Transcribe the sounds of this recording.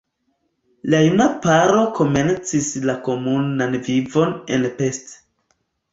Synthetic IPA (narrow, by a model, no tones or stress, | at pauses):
lajunapaɾo̞kʰo̞me̞nt͡sislako̞munanvivo̞ne̞̰npe̞st